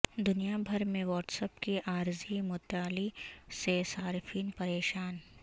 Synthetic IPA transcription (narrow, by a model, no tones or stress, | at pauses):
d̪ʊnijabʱɐɾmẽʋɔːʈsəpkiʔaːɾzimʊt̪aːlisesaːɾfʰiːnpɐɾeːʃaːn